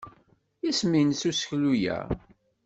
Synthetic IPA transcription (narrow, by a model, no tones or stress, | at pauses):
isminsusə̥çlujæ̰